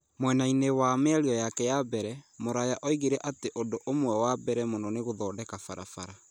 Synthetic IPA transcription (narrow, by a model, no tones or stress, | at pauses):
mwɛnainewamɛaɾiɔjakɛjabɛɾɛmoɾajaʔɔiɣeɾɛʔateʔodoʔomwɛwabɛɾɛmonɔneɣoðɔːdɛkafaɾa̰faɾa